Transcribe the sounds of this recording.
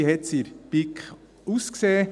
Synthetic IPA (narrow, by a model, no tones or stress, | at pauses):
hɛt̪siɾb̥ɪk | uskseːə